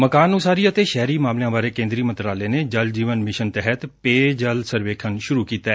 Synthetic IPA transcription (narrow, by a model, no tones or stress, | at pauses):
məkaːnusaːɾiːət̪eːʃɛːɾiːmaːmlejãːbaːɾeːkẽːnd̪ɾiːmənt̪ɾaːleːneːd͡ʒəld͡ʒiːʋənmɪʃənt̪ɛɦət̪peːd͡ʒəlsəɾʋeːkʰənʃʊɾuːkiːt̪aː